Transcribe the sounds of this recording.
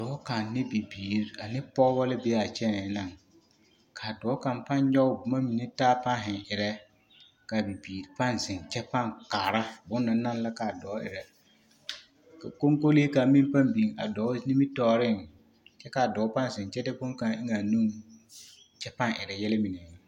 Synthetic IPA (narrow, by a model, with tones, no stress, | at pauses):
d̥ɔː˨˦ka˨nnɪ˦bi˨biː˨ɾa˨nɪ˦pɔ˦bɔ˦lɪ˦beː˨˦a˨t͡ʃɛ˦ɛ˨na˨ŋ | kʰa˨dɔː˨˦ka˨mpa˦ɲ˦ɲɔ˦ʊ˦bʊ˨ma˦mi˨nɛ˦taː˦pa˦nɦɪ˨ŋʔɪ˨ɾɛ˦ | ka˨bi˨biː˨ɾpa˦nsɪ˨nt͡ʃɛ˦pa˦ŋkaː˨ɾa˦bʊ˦nːa˨na˦nla˦ka˨dɔː˨˦ʔɪ̰˨ɾɛ˨ | ka˨ko˦ŋko˦leː˦ka˨mɪ˦n˦pa˦mbiː˨a̰˨dɔː˨˦ni˦mi˦tɔː˨˦ɾɪ˦˨ŋ | t͡ʃɛ˦ka˨dɔː˨˦pa˦n˨zɪ˨nt͡ʃɛ˦dɪ˦bʊ˦ŋ˦ka˨ŋʔɪ˦ŋa˨nu˦ŋ | t͡ʃɛ˦pa˦ŋʔɪ˨ɾɛ˨jɛ˦lɪ˦mɪ˨nɛ˨ŋa˨